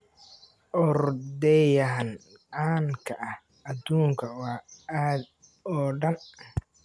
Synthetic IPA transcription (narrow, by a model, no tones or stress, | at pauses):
ʔɔɾd̪ɛjɐɦn | ʔaːŋkʰɐʔɐh | ɐd̪uːŋkʰɐwɑːaːd̪̚ | ɔːɖɐn